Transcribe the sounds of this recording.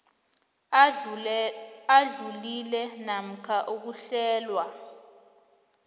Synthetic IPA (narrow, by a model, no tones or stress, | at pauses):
aɮulilɛnam̩kʰaʔuk̬uɬɛːlwa